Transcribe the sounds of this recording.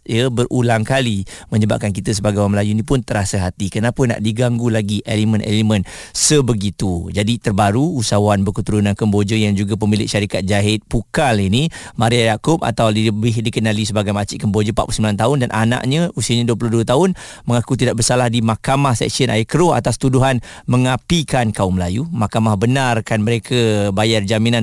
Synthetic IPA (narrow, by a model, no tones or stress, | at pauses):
jəbərʔulaŋkalimə̃ɲəba̰p̚kankit̪əs̬əbaɡajwaməlajunipʊnt̪əɾasəɦat̪ikənapəna̰ʔdiɡaŋɡulaɡiʔelimə̃nʔɛ̰limə̃nsəbəɡit̪ud͡ʒadit̪ərbaɾuːsawanbəkut̪uɾunankəmbod͡ʒəjaŋd͡ʒuɡap̬əmilɪ̰ʔʃaɾikat̪̚d͡ʒaɦɪt̪̚pukalinimaɾiajakʊp̚a̰t̪awdiəbɪhdikənalisəbaɡajmat͡ʃɪʔkəmbod͡ʒəpa̰ʔplusəmilant̪aʊndanʔa̰nã̰ʔɲə̃usiaɲaduəpluhduət̪aʊn | məŋakut̪̬idaʔbərsalahdimakamahsɛ̰k̚siənʔa̰ikəɾʊa̰t̪ast̪uduɦan | məŋapikankaʊmlajumakamahbənarkanməɾekʰabajard͡ʒaminan